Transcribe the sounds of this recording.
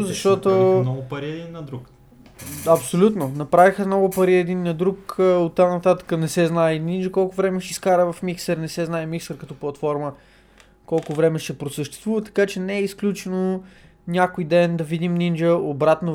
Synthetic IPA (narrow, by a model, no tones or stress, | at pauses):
zɐʃt̪ɔt̪onɔɡʊpɐɾiɛd̪inːɐd̪ɾuk | ɐpsolʲut̪nonɐpɾavixənɔɡʊpɐɾiɛd̪inːɐd̪ɾukəot̪ːanɐt̪at̪ə̥kənɛsɛznajnind͡ʒəkɔlˠkʊvɾɛmɛʃt̪ɛskaɾəvɐfmiksɛɾnɛsɛznajmiksəɾkɐt̪ɔplˠɐt̪fɔɾmə | kɔlˠkʊvɾɛmɛʃt̪ɛpɾosəʃt̪ɛst̪vuvət̪ɐ̥kat͡ʃɛnɛɛisklʲut͡ʃɛno | nʲakojd̪ɛnd̪ɐvid̪imnind͡ʒəobɾat̪no